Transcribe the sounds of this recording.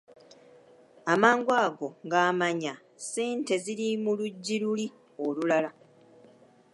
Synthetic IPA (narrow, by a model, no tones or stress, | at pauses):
amaːŋɡwaːɡo̞ŋɡaːmaɲa | siːnte̞ziɾimuluɟːiɾuli | olulala